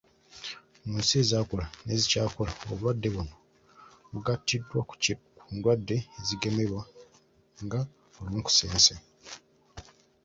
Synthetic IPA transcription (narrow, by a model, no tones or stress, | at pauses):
omuːnsie̞zaːkolane̞zicaːkolao̰βulwadːe̞βuno | βuɡatːidːwakʰuːndwadːe̞ːziɡe̞me̞βwa | ŋɡa | oluːŋku̥seːnse